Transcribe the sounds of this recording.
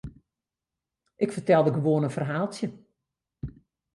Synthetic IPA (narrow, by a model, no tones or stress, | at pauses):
ʔɪkfərtɛlˠdəɡəʋoənənfərɦaːlˠtjə